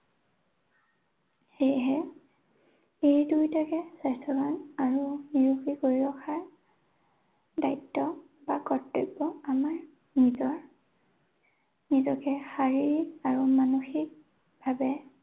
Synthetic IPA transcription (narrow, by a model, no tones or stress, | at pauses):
xejɦɛ | ejdujtakɛsastʰɔbanaɹuniɹukikoɹiɹɔkʰaɹ | dajtːɔ | bakɔtːebɔamaɹ | nizɔɹ | nizɔkɛxaɹiɹikaɹumanuxik̚ | bʱabɛ